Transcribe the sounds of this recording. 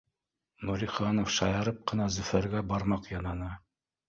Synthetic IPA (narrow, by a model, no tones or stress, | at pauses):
nuɾʲiχɑnofʃɑjɑɾɤp̚qɤ̆nɑzɵ̆fæɾɡæbɑɾmɑqjɑnɑnɤ